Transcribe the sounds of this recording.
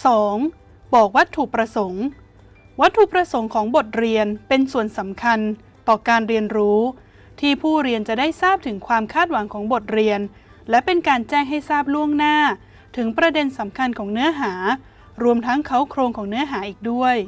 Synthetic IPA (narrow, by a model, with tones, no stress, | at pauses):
sɔː˩˦ŋ | bɔː˨˩k̚wa˦˥t̪ʰːu˨˩pɾa˧so˩˦ŋ | wa˦˥t̪ʰːu˨˩pɾa˧so˩˦ŋkʰɔː˩˦ŋbo˨˩t̪̚ɾi˧ənpe˧nsu˨˩ənsa˩˦mkʰa˧n | t̪ɔː˨˩kaː˧nɾi˧ənɾuː˦˥ | t̪ʰiː˥˩pʰuː˥˩ɾi˧ənt͡ɕa˨˩daː˥˩jsaː˥˩p̚t̪ʰɯ˩˦ŋkʰwaː˧mkʰaː˥˩t̪̚wa˩˦ŋkʰɔː˩˦ŋbo˨˩t̪̚ɾi˧ən | lɛ˦˥pe˧nkaː˧nt͡ɕɛː˥˩ŋɦa˥˩jsaː˥˩p̚lu˥˩əŋnaː˥˩ | t̪ʰɯ˩˦ŋpɾa˧de˧nsa˩˦mkʰa˧nkʰɔː˩˦ŋnɯ˦˥ɐɦaː˩˦ | ɾu˧əmt̪ʰa˦˥ŋkʰa˦˥wkʰɾoː˧ŋkʰɔː˩˦ŋnɯ˦˥ɐɦaː˩˦ʔiː˨˩k̚du˥˩əj